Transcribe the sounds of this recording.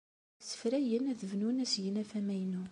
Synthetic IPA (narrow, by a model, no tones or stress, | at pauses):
sə̥fɾæjənæðəvnunæsjənæfæmæjnu